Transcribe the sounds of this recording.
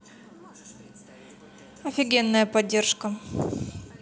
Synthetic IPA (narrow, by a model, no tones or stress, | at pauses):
ɐfʲɪɡʲenːəjəpɐdʲːe̞rʂkə